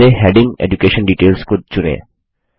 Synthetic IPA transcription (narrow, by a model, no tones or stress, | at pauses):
eɦɛɖɪ̃ŋḛd͡ʒukeːʃə̃nɖiːʈeːlskʊd̪̚t͡ʃʊnḛː